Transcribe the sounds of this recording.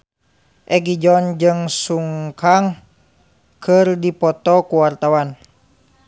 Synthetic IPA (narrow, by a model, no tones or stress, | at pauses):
ʔɛɡid͡ʒɔnd͡ʒɨŋsuŋkaŋ | kʰərdipɔt̪ɔkuwart̪awan